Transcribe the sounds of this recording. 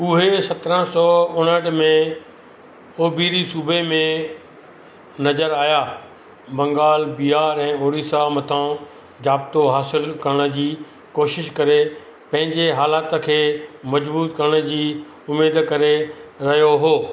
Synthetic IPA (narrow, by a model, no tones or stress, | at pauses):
ʊɦesɐt̪ɾə̃sɔːʊnəʈmẽ | oːbiːɾisuːbʱemẽ | nɐzəɾaːjaː | bɐ̃ŋɡaːlbiaːɾɛ̃ːoːɽiːsamɐt̪ʰã | d͡ʑaːb̚t̪oɦaːsɪlkɐɾəɽ̃ə̆d͡ʑiː | koːʃɪʃkɐɾe | pɐ̃ɦɪ̃ɲd͡ʑeɦaːlaːt̪əkʰeːmɐd͡ʑbuːt̪kɐɾəɽ̃əd͡ʑiː | ʊmeːd̪kɐɾeɾɐɦjoɦoː